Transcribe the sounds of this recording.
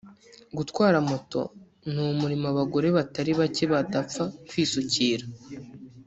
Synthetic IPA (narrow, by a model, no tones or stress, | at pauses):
ɡutkwaːɾamoto̞̰ | n̥umuɾimaβaɡo̞ɾe̞βataɾiβace̞βadap͡fakwiːsuciːɾa